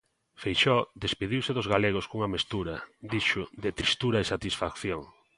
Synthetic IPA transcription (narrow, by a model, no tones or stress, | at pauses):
fejʃɔd̪espeðiwsɪðʊzɣaleɣ̞oskuŋɐmest̪uɾɐd̪iʃʊðɪt̪ɾist̪uɾɐesat̪isfakθjoŋ